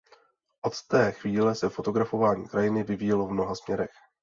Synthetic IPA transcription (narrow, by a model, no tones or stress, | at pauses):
ʔo̞t̪t̪ɛːxviːlɛsɛfo̞t̪o̞ɡɾafo̞vaːɲḭːkɾajɪnɪvɪvijɛlo̞vmno̞ɦasmɲɛɾɛx